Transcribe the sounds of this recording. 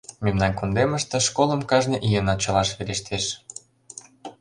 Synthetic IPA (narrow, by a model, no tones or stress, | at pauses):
memnɑnkond̪emə̆ʃt̪ĕʃkolə̆mkɑʒnĕʔijenɑt͡ɕə̆lɑʃβeɾeʃt̪ʰeʃ